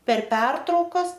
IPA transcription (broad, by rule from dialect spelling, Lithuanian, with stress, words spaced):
pʲɛr ˈpʲɛrtrɐʊkɐs